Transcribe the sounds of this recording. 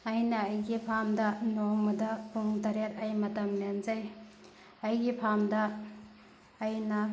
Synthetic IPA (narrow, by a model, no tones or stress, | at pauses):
ɐjnɐːjɡipʰamdɐnoŋmɐdɐpʰuŋdɐɾet̚ɐjmɐtɐmnenzaj | ɐjɡipʰamdɐ | jnɐ